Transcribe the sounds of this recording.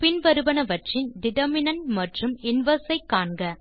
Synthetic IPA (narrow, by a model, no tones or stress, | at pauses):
pɪnʋɐɾɯbɐnɐʋɐʈrɪnd̪ɪðɐmɪnɐnmɐʈrɯmɪnʋɐsɐɪkːaːɳɡɐ